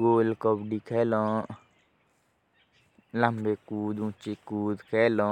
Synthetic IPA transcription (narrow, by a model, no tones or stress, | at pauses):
ɡoːlkobɖikʰɛːlɔ̃ː | ləmbekuːd̪ũt͡ʃekuːd̪kʰɛːlɔ̃